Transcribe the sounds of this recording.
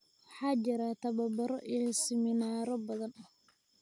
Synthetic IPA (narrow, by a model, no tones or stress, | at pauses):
wɑħɑːt͡ʃɪɾat̪ʰɐβɐbɐɾɔʔijɔsɪmɪnaːɾɔbɐðɐnɐ